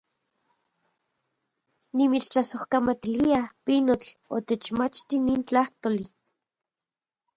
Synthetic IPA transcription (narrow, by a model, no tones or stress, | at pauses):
nimit͡ʃt͡ɬasohkamat̪iliapinot͡ɬot̪et͡ʃmat͡ʃt̪iniːnt͡ɬaht̪oli